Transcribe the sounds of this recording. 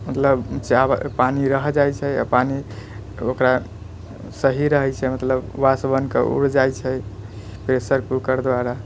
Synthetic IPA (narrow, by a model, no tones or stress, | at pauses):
mət̪ləbt͡ʃabpaniɾəɦd͡ʒajt͡ʃʰɛa̰pani | okɾa | səɦiɾəɦɛjt͡ʃʰɛmət̪ləbːasbənkḛṵɽd͡ʒajt͡ʃʰɛ | pɾesəɾpukəɾd̪waɾa